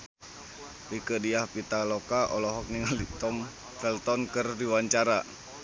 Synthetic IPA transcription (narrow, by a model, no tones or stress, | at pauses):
rikədiahpit̪alɔkaʔɔlɔɦɔk̚niŋalit̪ɔm | fɛlt̪ɔnkɨrdiwaɲt͡ʃaɾa